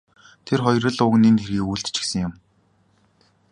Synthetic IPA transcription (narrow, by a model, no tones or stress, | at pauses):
t̪ʰerχɔjɾə̆ɮʊɣniːnt̪ʰeɾɣiːkujɬt̪t͡ɕɪ̥̆xsə̆ŋjʊm